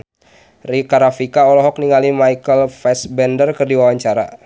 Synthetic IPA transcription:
rikaɾafikaɔlɔɦɔk̚niŋalimajkəlfɛsbɛndərkərdiwawaɲt͡ʃaɾa̰

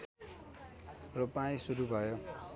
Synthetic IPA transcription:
rʌpaĩsuɾubʱʌjo

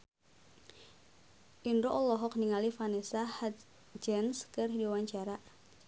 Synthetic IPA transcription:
ʔindoʔɔlɔɦɔk̚niŋalifanɛsaha | d͡ʒɛnskɨrɦidiwaɲt͡ʃaɾa

